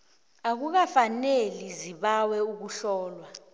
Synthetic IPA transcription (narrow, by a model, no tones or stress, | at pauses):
ak̬uk̬afaneliziɓawɛuk̬uɬɔːlwa